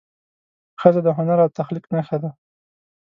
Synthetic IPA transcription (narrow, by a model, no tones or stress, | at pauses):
xəzad̪əɦʊnaɾawt̪axliknaxad̪a